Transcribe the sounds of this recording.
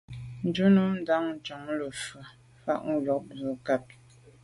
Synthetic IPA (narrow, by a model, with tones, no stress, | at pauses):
n̩˨d͡ʒu˦nə˦n̩˦da˦ŋn̩˨t͡ʃɔ˨˦ŋ˦lə˨fə˨ | fa̰˦ʔŋ̩˦ɡɔ˨k̚bə˨˦ka˦p̚